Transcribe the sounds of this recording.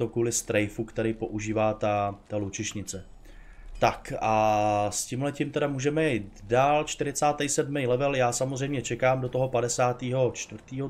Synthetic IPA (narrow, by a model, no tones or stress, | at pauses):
tokuːlɪst̪ɾɛjfukt̪ɛɾijpo̞ʔuʒiːvaːt̪at̪alut͡ʃɪʃɲɪt͡sɛ | t̪akʔascimlɛcɪmt̪ɛɾamuːʒɛmɛjɛt̪daːlt͡ʃt̪ɪɾɪt͡saːt̪ɛjsɛdmɛjlɛvɛljaːsamozr̝ɛjmɲɛt͡ʃɛkaːmdot̪o̞ɦo̞padɛsaːt̪iːɦo̞t͡ʃt̪vrt̪iːɦo